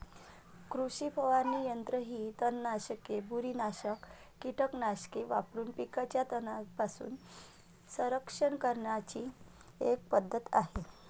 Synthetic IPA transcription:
kɾuɕipəʋanːiːjənt̪ɾəɦiːt̪ənːaɕkebuɾiːnaɕəkː | iʈʰəknaɕkeʋa̰pɾuːnpikat͡ɕjat̪ənapasṵːn | sə̃ɾəkʂəɳkəɾɳat͡ɕiː | ek̚pəd̪ʱːət̪a̰ɦe

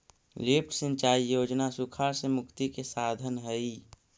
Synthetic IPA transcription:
lipʰʈsə̃nt͡ʃaːijoːd͡ʒnasukʰaːɾsemʊkt̪ikesaːd̪ʱənɦɛi

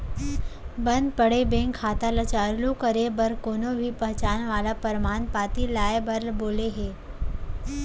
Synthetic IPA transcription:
bə̃nd̪pəɽebẽŋkʰːaːt̪alat͡ʃaɾlukəɾebəɾkoːnobʱipəɦt͡ʃaːnʋaːlapəɾmaːnpaːt̪ilaːebəɾlboːleɦeː

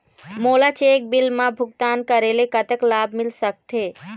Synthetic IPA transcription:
moːlat͡ʃeːk̚bɪlmãbʱʊk̚t̪aːnkəɾeːlekət̪əklaːbmɪlsək̚t̪ʰeː

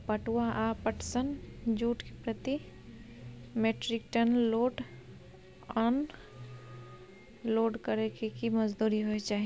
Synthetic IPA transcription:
pəʈwaʔapəʈsənd͡ʒuːʈke̥pɾət̪i | meːʈɾɪk̚ʈənloːɖ | ən | loːɖkəɾekekiməd͡ʒd̪uːɾiɦoet͡ʃaːɦi

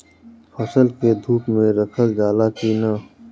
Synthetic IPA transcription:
fəsəlked̪ʱuːpmẽɾəkʰəld͡ʒaːlakiːnaː

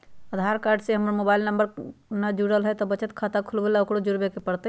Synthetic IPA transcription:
əd̪ʱaɾkaɾɖseɦəmɾmobailnəmbəɾnad͡ʒuɽəlɦət̪ɔbət͡ʃət̪kʰat̪akʰulbelaokɽod͡ʒuɽbekepəɽt̪ə

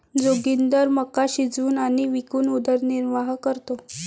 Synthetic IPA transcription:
d͡zoɡind̪əɾməkaɕid͡zuːnaɽ̃iʋikuːnud̪əɾniɾʋaɦkəɾt̪o

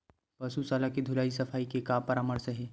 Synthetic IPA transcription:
pɐsusaːlakid̪ʱʊlaːis̬ɐfʰaːikekaːpɐɾaːməɾsəɦɛː

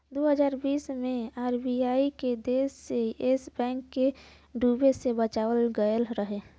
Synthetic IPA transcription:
d̪oɦəd͡ʒaːɾbiːsmeaɾbiaiked̪esːeesbɛ̃ŋkːe | ɖubesebət͡ʃaʋəlɡəəlɾəɦe

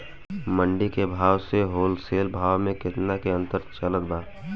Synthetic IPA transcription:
məɳɖikebʱaːwseɦoːlseːlbʱaːwmẽkɪt̪nakeə̃nt̪əɾt͡ʃələt̪baː

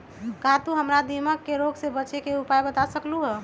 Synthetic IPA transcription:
kat̪uɦəmɾad̪iməkːeɾoɡsebət͡ʃekeupajbət̪asəkluɦɛ

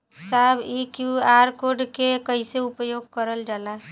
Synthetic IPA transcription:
sabikjuaɾkoɾɖkekəɪseupjoɡ̚kəɾəld͡ʒala

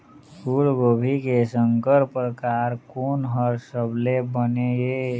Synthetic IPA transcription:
kuːlɡoːbʱikesəŋkəɾpɾəkaːɾkoːnɦəɾsəblebəneeː

